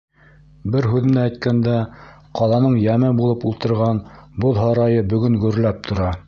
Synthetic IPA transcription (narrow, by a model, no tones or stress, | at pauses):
bɘɾɦʉðɘ̆nææjt̪̚kænd̪æ | qɑlˠɑnɤɴjæmɘbulˠɤpulˠt̪ɤ̆ɾʁɑnboðˠɦɑɾɑjɤbɵ̆ɡɵŋɡɵ̆ɾlæp̚t̪ʰŏɾɑ